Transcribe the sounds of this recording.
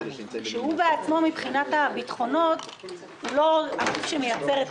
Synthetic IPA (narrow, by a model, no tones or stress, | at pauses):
ʃeɦubeat͡smo̞mipχinatabitχo̞no̞t | lo̞aufʃemejat͡se̞ʁet